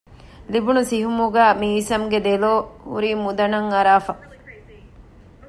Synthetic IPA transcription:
libunusiɦumuɡæːmiːsɐmɡed̪eloːhṵɾiːmud̪ɐnɐŋɐɾaːfɐ

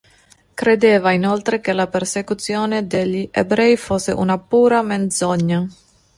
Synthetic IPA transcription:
kɾed̪eːvainolt̪ɾekelapeɾsekut̪sjoːned̪eʎiʔḛbɾɛjfoseʔṵnapuːɾamend̪zɔɲːa

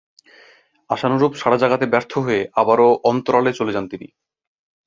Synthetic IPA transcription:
aʃanoɾubʃaɽad͡ʑaɡat̪ebɛɾt̪ʰoɦoeʔabaɾoʔɔnt̪oɾalet͡ɕoled͡ʑant̪inḭ

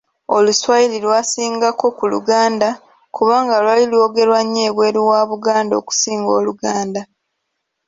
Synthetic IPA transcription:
o̞luswajililwaːsiːŋɡako̞kulṵɡaːnda | kuβaːŋɡalwalilwo̞ɡe̞ɾwaɲːe̞ːβwe̞ːɾiwaːβuɡaːndo̞̰ːku̥siːŋɡo̞ːluɡaːnda

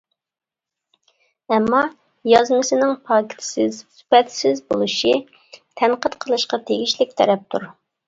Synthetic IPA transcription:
ɛmːɑ | jɑzmɨsɨnɪŋpʰɑkʲʰɪ̥t̪ʰɪ̥sɪzspɛt̪sɪzbolˠɨʃi | t̪ʰɛnqət̪qʰəlˠɨʃqɑt̪ʰeɡʲiʃlɪk̚ʲt̪ʰɛɾɛp̚t̪ʰṵɾ

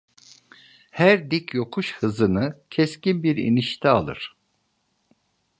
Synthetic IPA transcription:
hæɾd̪icjo̞kʰuʃhɯzɯnɯcʰɛscinbiɾḭniʃt̪ʰɛalˠɯ̰ɾ̥

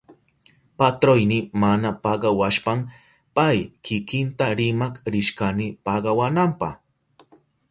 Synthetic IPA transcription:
pat̪ɾojnɪmanapɑɢɑwaʃpam | pajkɪkɪnt̪aɾɪmakɾɪʃkanɪpɑɢɑwanampɑ̰h

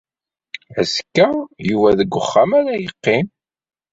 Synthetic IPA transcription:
æskːæjuvæðəɡʷːəχːamæɾæjəqːɪm

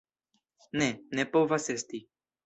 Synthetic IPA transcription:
nɛnepovasest̪i

